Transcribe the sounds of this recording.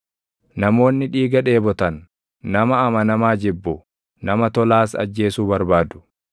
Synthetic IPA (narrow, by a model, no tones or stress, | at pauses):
nɐmo̞ːnːɪᶑiːɡɐᶑe̞ːbɔt̪ɐnː | ɐmɐːmɐnɐmaːd͡ʒɪbːʊ | nɐmɐt̪ɔlaːsɐ̰d͡ʒːe̞ːsuːbɐɾbaːd̪ʊ̥